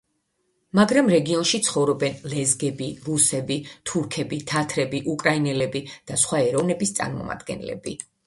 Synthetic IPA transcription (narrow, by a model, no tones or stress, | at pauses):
maɡɾamɾɛɡiɔnʃit̪sʰχɔvɾɔbɛnlɛzɡɛbiɾusɛbit̪ʰuɾkʰɛbit̪ʰat̪ʰɾɛbiʔukʼɾainɛlɛbid̪̥asχwaɛɾɔvnɛbist̪sʼa̰ɾmɔ̰ma̰d̪̥ɡɛ̰nlɛ̰bḭ